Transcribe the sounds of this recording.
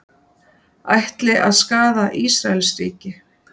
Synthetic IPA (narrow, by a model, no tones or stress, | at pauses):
a̰jht̪lɪʔaðskaːðaʔiːsɾaɛlsɾḭːcɪ